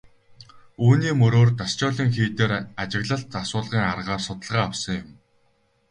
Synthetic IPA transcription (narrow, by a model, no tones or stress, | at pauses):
uːniːmɵɾoːrt̪ast͡ɕʊːɮiːŋxiːt̪eːɾat͡ɕɪ̆ɣɮə̆ɬt̪asʊːɮʁiːŋarʁaːrsʊt̪ə̆ɮʁaːawsə̆ŋjʊm